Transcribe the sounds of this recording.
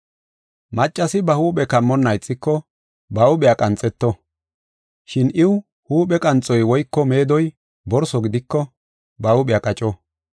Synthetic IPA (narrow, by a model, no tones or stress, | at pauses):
mɐt͡ʃʼːɐsɪbɐhuːpʼɛkɐmːɔnːɐjt͡sʼːɪkːɔ | bɐʊɓɛjakʼɐnt͡sʼːɛt̪ːɔ | ʃɪnʔɪw | huːpɛkʼɐnt͡sʼːɔjwɔjkːɔme̞ːd̪ɔj | bɔɾsɔɡɪd̪ɪkːɔ | bɐʊɓɛjakʼɐt͡ʃʼɔ